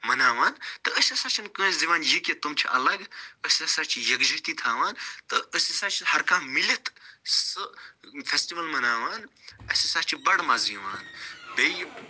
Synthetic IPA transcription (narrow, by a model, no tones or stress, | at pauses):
mɐnaːʋaːnt̪ɨəsʲɐsaːt͡ʃʰinkə̃ːzziʋaːnjeket̪umt͡ʃʰiʔɐ̰lɐɡəsʲɐsaːt͡ʃʰijɐkd͡ʒɐt̪iːt̪ʰaːʋaːnt̪ɨəsʲisaːt͡ʃʰihɐɾkaːmmilit̪sɨfesʈiʋɐlmɐnaːʋaːnɐsʲisaːt͡ʃʰibɐɽmaziʋa̰ːnbej